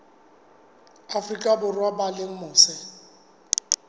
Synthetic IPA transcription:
afrikʼabʊrwabalɪŋ̩mʊːsɪ

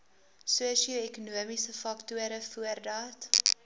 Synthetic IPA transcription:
suəsioɛkunuəmisəfɐktuəɾəfuərdɑːt

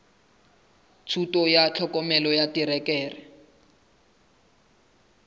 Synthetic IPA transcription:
t͡sʰutɔjat͡ɬʰɔkɔmɛlɔjatiɾɛkɛːrɛ

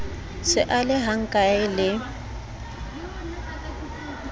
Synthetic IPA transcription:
sɪʔalɪɦaŋ̩kʼaɪlɪ

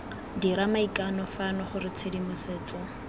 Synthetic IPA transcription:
diɾamaikʼanɔfanɔχʊɾɪt͡sʰedimʊseːt͡sɔ

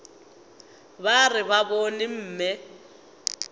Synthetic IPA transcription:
βarɪβaβonim̩ːmɛ

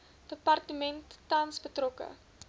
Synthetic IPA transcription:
d̥əpɐrtəmɛntːɐnsbətrɔkə̰

